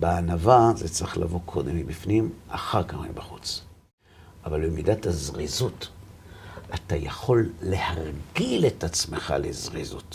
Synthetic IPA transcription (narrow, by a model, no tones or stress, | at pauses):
beanavazet͡sʁiχla̰vo̞kʰo̞d̪emibifnimʔaχaʁkamḛbaχut͡s | ʔavalbemidatazʁizut | atajaχo̞lːehaʁɡile̞tat͡smeχa̰lḛzʁizṵt